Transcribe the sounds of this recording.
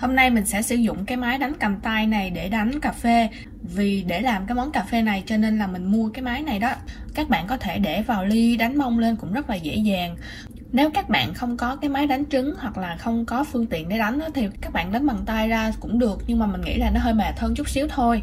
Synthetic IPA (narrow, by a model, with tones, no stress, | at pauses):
ho˧mna˧jmï˨˩ŋ̟sɛ̰˧˥sɨ̰˧˩zʊ̰˧˨ŋ͡mkaː˨˦jmaː˨˦jɗa˨˦jŋ̟ka˨˩mt̪a˧jna˨˩jɗe˧˩ɗa˨˦jŋ̟kaː˨˩fe˧ | vi˨˩ɗe˧˩laː˨˩mkaː˨˦jmɔ˨˦nkaː˨˩fe˧na˨˩jt͡ɕɔ˧ne˧nlaː˨˩mï˨˩ŋ̟mu˧əkaː˨˦jmaː˨˦jna˨˩jɗɔ˨˦kaː˦˥k̚ɓa̰ː˧˨nkɔ˨˦t̪ʰe˧˩ɗe˧˩vaː˨˩wli˧ɗa˨˦jŋ̟mə˧wŋ͡mle˧nkʊ̰˧˥ŋ͡mzə˦˥t̚laː˨˩zḛ˧˥zaː˨˩ŋ | ne˨˦wkaː˦˥k̚ɓa̰ː˧˨nxə˧wŋ͡mkɔ˨˦kaː˨˦jmaː˨˦jɗa˨˦jŋ̟t͡ɕɨ˨˦ŋhwa˨˩k̚laː˨˩xə˧wŋ͡mkɔ˨˦fɨ˧əŋt̪ḭ˧˨ənɗe˧˦ɗa˨˦jŋ̟ʔɔ˨˦t̪ʰi˨˩kaː˦˥k̚ɓa̰ː˧˨nɗa˨˦jŋɓa˨˩ŋt̪aː˧jzaː˧kʊ̰˧˥ŋ͡mɗɨ˨˩ək̚ɲɨ˧ŋmaː˨˩mï˨˩ŋ̟ŋḭ˧˥za˨˩ŋnɔ˨˦ɦəː˧jmɛ˨˩t̪ʰə˧nt͡ɕʊ˦˥k͡p̚si˨˦əwt̪ʰo˧j